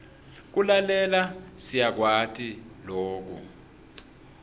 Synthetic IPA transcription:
k̬ulalɛlasijak̬watʰʼiloːk̬ṵ

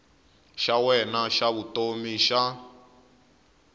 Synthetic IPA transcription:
ʃawɛnaʃaβutomiʃa

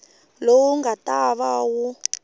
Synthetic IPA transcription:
lowuŋɡataβawu

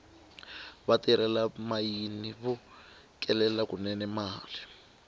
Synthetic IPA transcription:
βatiɾɛlamajiniβu | kʼɛlɛlakunɛnɛmaːli

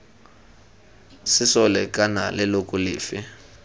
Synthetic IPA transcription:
sɪsɔlɛkʼana̰lɛlokʼʊlɪ̰ːfɪ

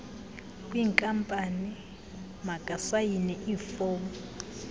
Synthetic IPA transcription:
kʼwiːŋkʼampʼani | makʼasajinɛʔifɔːm

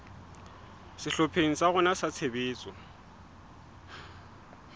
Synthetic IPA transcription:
sɪɬɔpʰeŋ̩saɣʊnasat͡sʰebeːt͡sʼɔ

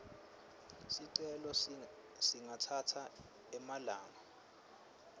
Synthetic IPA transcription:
siǀɛlɔ | siŋatʰatʰa | ɛmalaːŋa

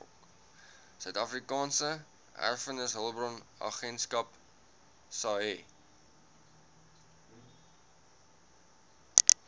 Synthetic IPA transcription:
ɔ̰k | sœɥtɐfrikɑːnsə | æ̰rfənəsɦəlˠbrɔnɑ̰χɛnskɐp | sɑɛ

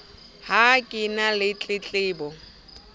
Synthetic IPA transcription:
hakʼɪnalɪt͡ɬʼɪt͡ɬʼɪːbɔ

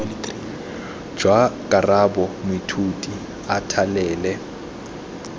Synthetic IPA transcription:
d͡ʒ̥wakʼarabɔmitʰutʼi | atʰalɛːlɛ

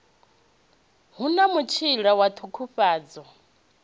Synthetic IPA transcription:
ɦunamut͡ʃʰiɺawat̪ʰukʰuɸaːd͡zɔ

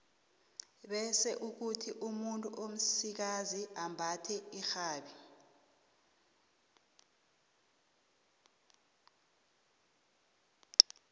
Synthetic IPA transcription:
ɓɛsɛʔuk̬utʰiʔumuntʼuʔom̩sik̬aziambʱatʰɛixaːɓi

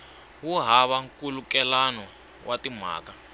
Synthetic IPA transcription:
wuɦaβaŋkulukɛlanɔ | watim̤a̰ːka

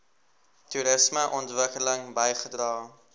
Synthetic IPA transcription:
tuɾəsməʔɔntvəkələŋbəjχədrɑː

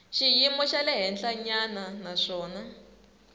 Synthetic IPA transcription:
ʃijimɔʃalɛɦɛnd͡ɮaɲananaʂɔːna

